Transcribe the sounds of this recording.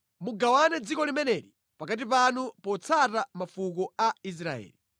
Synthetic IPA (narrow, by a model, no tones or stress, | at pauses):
muɡawanɛd͡zikɔlimɛnɛɾi | pakat̬ipanupɔt͡sʰatamafukɔais̬ɾaɛ̰ːli